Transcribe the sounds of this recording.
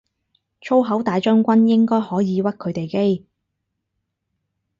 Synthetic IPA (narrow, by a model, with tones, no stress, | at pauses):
t͡ʃʰo˥wɦɐ˨˥wt̪aː˨˧jt͡ʃœː˥ŋkʷɐ˥njɪ˥ŋkɔː˥jhɔː˨˥jiː˨˧wɐ˥t̚kʰɵ˨˧ɥt̪e˨jke˥j